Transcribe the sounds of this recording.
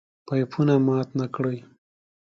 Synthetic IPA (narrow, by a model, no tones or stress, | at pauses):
pajpʰunamɑt̪nakɽəj